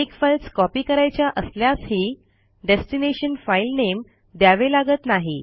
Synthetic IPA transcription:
ekfəlskɔpiːkəɾajt͡ɕjaʔəsljasɦiː | ɖesʈineɕənfailnem | d̪jaʋelaɡət̪naɦi

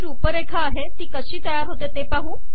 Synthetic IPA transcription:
ɾiupəɾekʰaːɦet̪iːkəɕiːt̪əjaɾɦot̪et̪epaɦũ

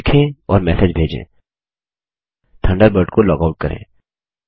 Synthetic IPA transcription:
kʰẽɔːɾmɛːsed͡ʒbʱeːd͡ʒḛ̃ː | t̪ʰə̃ɳɖəɾbəɾʈkolɔːkaʊʈ̚kɐɾʔḛ̃ː

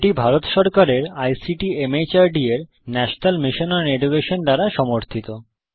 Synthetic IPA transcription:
ʈibʱaɾot̪ʃɔɾkaɾeɾajsiʈiemet͡ɕaɾɖieɾ | nɛʃonalmiʃonaɾeɖukeʃond̪aɾaʃɔmoɾt̪ʰit̪o

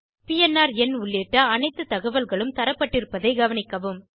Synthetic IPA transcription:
pɪjɛnːaːɾɛnʊɭːeːʈːɐɐnɐɪt̪ːɯt̪ɐɣɐʋɐlɣɐɭɯmt̪ɐɾɐpːɐʈːɪɾɯpːɐðɐɪɡɐʋɐnɪkːɐʋɯm

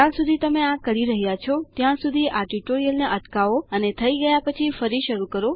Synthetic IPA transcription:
ãsud̪ʱit̪əmeãkəɾiɾəɦjat͡ʃʰɔt̪jãsud̪ʱiʔaʈiʈoɾijəlneʔəʈkaʋoənet̪ʰəiɡəjapət͡ʃʰifəɾiʃəɾukəɾo

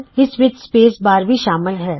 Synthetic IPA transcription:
ɪsʋɪt̪speːsbaːɾbʱiʃaːmɪlɦɛː

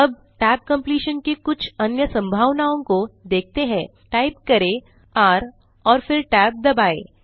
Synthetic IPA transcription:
ɐb̚ | ʈɛːp̚kɐ̃mpliːʃənkekʊt͡ʃʰɐnjəsɐ̃mbʱaːʋnaːõkod̪eːk̚ʰt̪eɦɛ̃ː | ʈaːɪp̚kɐɾe | aːɾ | ɔːɾfɪɾʈɛːp̚d̪ɐbaːḛː

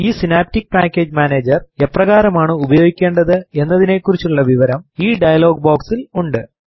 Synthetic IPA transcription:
iːsinaːp̚tik̚ːpaːkʲːe̞ːd͡ʑmaːneːd͡ʑɐre̞prɐɣaːɾɐmaːɳɨubɐjo̞ːɡikʲːe̞ːɳɖɐðɨe̞nːɐðine̞kːurit͡ɕːuɭːɐʋiʋɐɾɐmiːɖɐjɐlo̞ːɡ̚boːksiluɳɖɨ

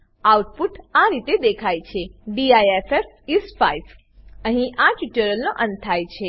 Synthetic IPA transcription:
auʈpuʈaɾit̪ed̪ekʰajt͡ʃʰeɖiajefef | isfaiʋ | əɦĩʔaʈuʈəɾəlnoʔə̃nt̪ʰːajt͡ʃʰe

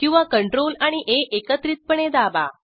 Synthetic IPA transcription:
kĩw̃ʋakəɳʈɾolaɽ̃iʔeʔekət̪ɾit̪̚pəɳed̪aba̰

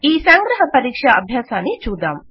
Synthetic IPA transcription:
iːsaŋɡɾɐɦɐpɐɾiːkʂɐʔɐ̰bʱjaːsaːnit͡ʃuːd̪a̰ːm

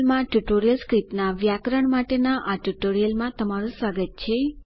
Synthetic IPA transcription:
lmãʈuʈoɾijəlskɾipnaʋjakɾəɳmaʈenaʔaʈuʈoɾijəlmãt̪əmaɾũsʋaɡət̪̚t͡ʃʰe

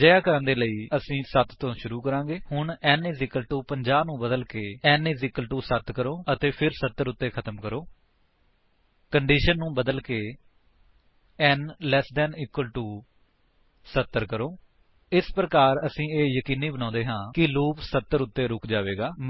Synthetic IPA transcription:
d͡ʒəjaːkəɾə̃nd̪eːləiːəsĩːsət̪t̪õːʃʊɾuːkəɾãːɡeːhʊɳɛːnɪzɪkəlʈuːpəɲd͡ʒaːbnũːbəd̪əlkeːɛːnɪzɪkəlʈuːsət̪kəɾoːət̪eːpʰɪɾsət̪ːəɾʊt̪ːeːkʰət̪əmkəɾoː | kəɳɖiːʃənːũːbəd̪əlkeː | ɛnlɛːsd̪ɛːniːkwəlʈuː | sət̪ːəɾkəɾoː | ɪspɾəkaːɾəsĩːeːjəkiːniːbənãːnd̪eːɦãːkɪloːksət̪ːəɾʊt̪ːeːɾʊkʰd͡ʒaːʋeːɡaː

